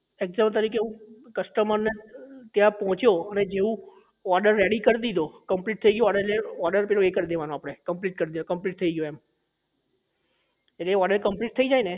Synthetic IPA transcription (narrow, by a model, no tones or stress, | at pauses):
eɡzamt̪̬əɾikeũkəsʈəməɾnet̪jãpɔɦɔ̃t͡ʃjoəned͡ʒeũ | ɔɾɖəɾːeɽikəɾd̪id̪okəmpliʈ̚t̪ʰəiɡəjõəneleɔɾɖəɾpilõekəɾd̪eʋanõapɽ̃ekəmpliʈ̚kəɾd̪id̪okə̃mpliʈ̚t̪ʰəiɡjoem | eʈleɔɖəɾkəmpliʈ̚t̪ʰəid͡ʒaine